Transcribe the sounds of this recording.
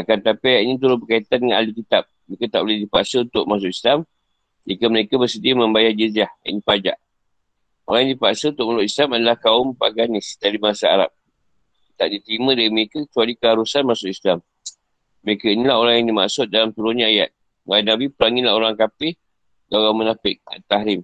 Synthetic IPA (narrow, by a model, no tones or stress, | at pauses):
akant̪apiajat̪init̪̬uɾʊsbəkait̪andəŋana̰likit̪ap̚məɾekat̪aʔbolehdipaʔsəunt̪ʊʔ̚mas̬ʊʔislam | d͡ʒikəməɾekabərsədiəmə̃mbajad͡ʒəziahja̰ʔnĩpad͡ʒa̰ʔ | o̰ɾaŋjãŋdipaʔsəunt̪ʊkʔ̚masʊʔislamadalahkaʊmpaɡanɪsdadimaasaa̰ɾa̰p̚ | kit̪ap̚dit̪əɾimə̃daɾiməɾekakə̥t͡ʃualikəɦaɾusanmasʊʔislam | məɾekainilaɦoɾaŋjaŋdima̰ʔsʊt̪̚dalamt̪uɾuɲãaja̰t̪̚ | majinabipəɾaŋɪnlahoɾaŋkapɪh | daɣaŋmənafɪk̚a̰t̪ahɾɪm